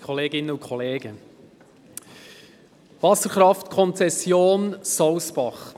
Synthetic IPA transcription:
kʰɔleːɡɪnəʊnkʰχɔleːɡə | vɑsəɾχɾɑftkʰɔnt͡sɛsjoːnsɔʊsb̥ɑχ

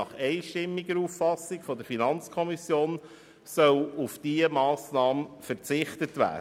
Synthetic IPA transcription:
ɑχɛɪʃtɪmːiɡəɾuffɑsːiɡfɔdəɾfinɑnt͡skʰɔmisjoːn | sœwufd̥iəmɑːsnɑːməfəɾt͡sɪχt̪ətʋæ̰ː

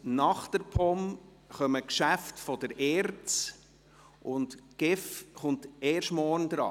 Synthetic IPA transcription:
nɑχt̪əɾpʰɔm | χœməkʃæftfɔdəɾɛːɾt͡s | ʔʊntɡ̥ɪfχʊnteːrʃtmɔːɾnd̪ɾɑ̰ː

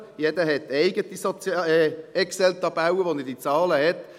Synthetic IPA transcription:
jɛd̥̪əɦɛt̪ɛɪɡətisɔt͡sː | ɛksɛlt̪ɑb̥awəʋonɛd̥it͡sɑːləɦɛt

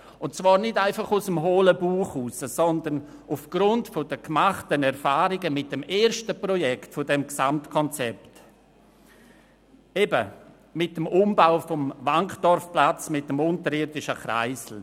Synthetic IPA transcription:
ʊntt͡svaːɾnɪdaɪfɑχusəmɦoːləbuːχuːsəsɔndən | ufɡ̥ɾʊntfodəkmaχtənɛɾfaːɾɪɡəmɪt̚d̥ɛmeːɾʃtəprɔjɛktfɔdɛmksamtkʰɔnt͡sɛpt | ebə | mɪt̚ːəmʊmbaʊfɔmvaŋkd̥ɔɾfplat͡smɪt̚dəmʊntəɾɪːɾdɪʃəχɾa̰ɪsl̩

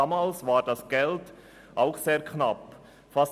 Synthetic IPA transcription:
amaːlsvaːʁdasɡ̥ɛlt | ʔaʊxseːɐkʰnap | fas

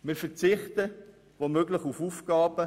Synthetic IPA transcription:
mɪɾfɛʁt͡sɪχt̪ə | ʋomøɡlɪχufufɡ̥ɑːb̥ə

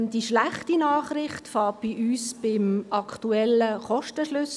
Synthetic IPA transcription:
d̥iʃlaχtinaːχɾɪχtfɑːt̚b̥iʔyːsb̥ɪmʔɑkʰtuɛləχɔʃtəʃlʏs

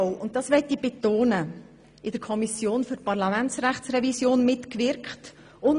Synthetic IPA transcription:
ʊnttːdɑsʋɛt̪ːib̥et̪oːnə | ɪd̥əɾkʰɔmisjoːnfʏɾpɑɾlɑmænt͡sræχtsrɛvisjoːnmɪtkvɪɾkχt | ʊn

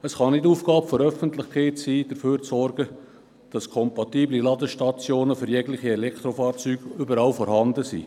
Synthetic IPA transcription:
əsχɑnɪduːfɡ̥ɑːpfɔɾœfəntlɪχkʰeɪtsiːd̥əføːɾt͡sɔrɡ̥ə | d̥ɑskʰɔmpɑtiːblilɑdəʃtɑt͡sjoːnəfʏɾjɛɡlɪχiɛlɛkʰt̪ɾofɑːɾt͡syːɡ̥ʏbəɾɑlfɔɾhɑndəsḭː

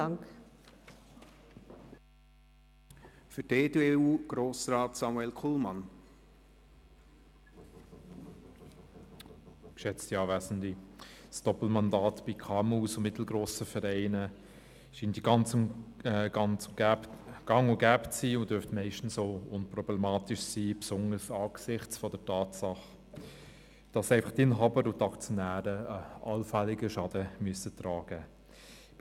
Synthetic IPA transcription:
ŋk | fʏɾdeːdeuːɡ̥ɾoːsɾɑːtsɑmuɛlkʰulmɑn | kʃɛt͡stiɑːvæːsn̩disd̥ɔpl̩mɑndɑːtb̥ikʰɑːmuːsʊmɪtl̩ɡɾoːsəfɛɾɛɪnə | ʃiːndiɡ̥ɑnt͡s | ɡ̥ɑnt͡sʊɡɡ̥ɑŋʊɡæːptsiːʊnd̥øɾftmɛɪʃtn̩soʊnprɔblɛmɑːtɪʃsiːpsʊŋəsɑːɡ̥sɪχt͡sfɔdətɑːtsɑχ | d̥ɑsɛɪfɑ̥χtɪnɦɑːbəɾʊtɑkt͡sjɔnæːɾəɑlfɛlɪɡəʃɑd̥əmyəsət̪ɾɑːɡ̥ə

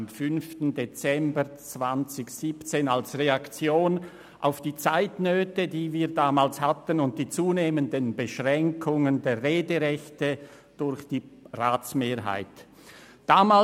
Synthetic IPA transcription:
mfʏnftn̩det͡sɛmbət͡sv̥ant͡sɪçsiːpt͡seːnalsʁeakt͡sjoːn | ʔa̰ʊfd̥iːt͡saɪtnøːtədiːviːɐdaːmaːlshatənʊnt̚d̥iːt͡suːneːməndənbəʃʁɛŋkʰʊŋəndeːʁeːdəʁɛçtə | d̥ʊɾçd̥iːʁaːt͡smeːɐɦa̰ɪt | d̥aːmaː

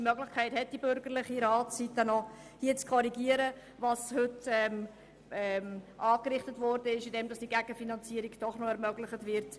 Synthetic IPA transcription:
mœɡlɪχkʰæɪthɛt̚d̥ibʏɾɡəɾlɪχiɾɑːtitənɔ | hiət͡skʰɔɾiɡiəɾə | vɑshʏtɛm | ɛmʔɑːkɾɪχtətvɔɾdəɪʃɪdɛmdɑsd̥iɡæɡ̥əfinɑnt͡siəɾiɡd̥ɔχnɔɛɾmœɡlɪχətvɪɾt

